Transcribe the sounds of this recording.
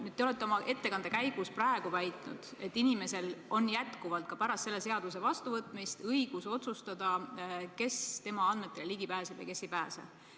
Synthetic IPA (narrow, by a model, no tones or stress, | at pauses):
nyːd̪t̪eole̞t̪ːˑeo̞mɑʔe̞t̪ːe̞kɑnd̪ekæjɡ̥usprɑeɡ̥uvæjt̪ˑnṵd̪̥e̞t̪ːinime̞se̞lo̞njæt̪kuvɑlt̪̚kɑpæɾɑst̪ːse̞lːe̞se̞ɑd̪̥use̞vɑst̪uvɤt̪ːˑmist̪ɤjɡ̥uso̞t̪sust̪ɑd̪̥ɑke̞st̪e̞mɑɑnd̪me̞t̪ːˑe̞leliɡ̥ipæːseb̥jɑ̰jke̞sːejpæːsḛb̥